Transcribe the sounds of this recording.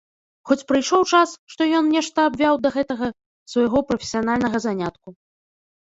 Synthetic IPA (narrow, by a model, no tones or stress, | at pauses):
xɔt͡sʲpɾɨjʂɔwt͡ʂasʂt̪ɔjɔnnʲɛʂt̪ɐːbʲvʲawd̪ɐɣɛt̪ɐɣɐ | svɐjɣɔpɾɐfʲesʲijanalʲnɐɣɐzanʲat̪ku